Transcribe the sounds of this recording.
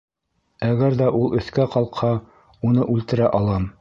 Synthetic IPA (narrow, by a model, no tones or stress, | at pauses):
æɡæɾðæʔulˠʔɵ̆θkæqɑlˠqhɑ | unɤʔʉlt̪ɘ̆ɾæʔɑlˠɑm